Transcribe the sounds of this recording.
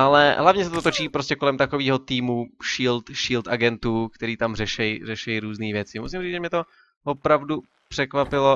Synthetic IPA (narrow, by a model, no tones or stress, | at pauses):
ʔalɛɦlavɲɛs̬ɛt̪o̞t̪ot͡ʃiːpɾo̞scɛkolɛmt̪akoviːɦo̞t̪iːmuʃiːlt̪ʃiːlt̪ʔaɡɛnt̪uːkt̪ɛɾiːt̪amrɛʃɛjrɛʃɛjɾuːzniːvjɛt͡sɪmusɪmriːd͡zʒɛmɲɛt̪o | vo̞pɾavdu | pr̝̥ɛkvapɪlo